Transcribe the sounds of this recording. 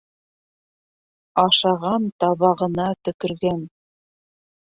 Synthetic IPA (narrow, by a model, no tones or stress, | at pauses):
ɑʃɑʁɑnt̪ɑβɑʁɤ̆nɑt̪ɵ̆kɵ̆ɾɡæn